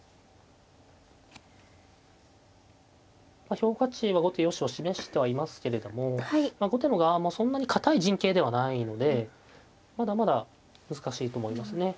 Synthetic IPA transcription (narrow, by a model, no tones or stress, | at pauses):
maço̞ːkat͡ɕiβaɡo̞t̪e̞jo̞ɕio̞ɕime̞ɕi̥t̪e̞βaimasɨ̥ke̞ɾe̞d̪o̞mo̞aimaɡo̞t̪emoɡamoːsõ̞nːaɲ̟ikʰat̪aiʑĩŋke̞ːd̪e̞β̞anaino̞d̪e̞ | mad̪amad̪a | mɯzɨkaɕiːt̪o̞ːmo̞imasɨne̞